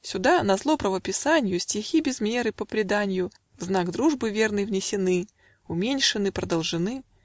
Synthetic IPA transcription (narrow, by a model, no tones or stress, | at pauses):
sʲʊd̪anɐzlˠopɾəvəpʲɪsanʲɪjʊsʲtʲɪxʲibʲɪzmʲe̞ɾɨpəpɾʲɪd̪anʲɪjʊ | vznaɡd̪ɾuʐbɨvʲe̞rnəjvnʲɪsʲɪnɨ | ʊmʲenʲʂɨnɨpɾəd̪əlˠʐɨnɨ